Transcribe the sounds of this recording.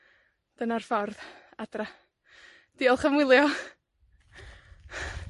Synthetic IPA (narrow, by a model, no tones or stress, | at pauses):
d̥ənarfɔrðadra | d̥iːɔlˠχəmwɪlˠjɔ